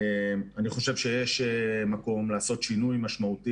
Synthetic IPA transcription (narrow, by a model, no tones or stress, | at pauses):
emaniχo̞ʃevʃejeʃemako̞mlaːso̞t̪ʃinujmaʃmaut̪i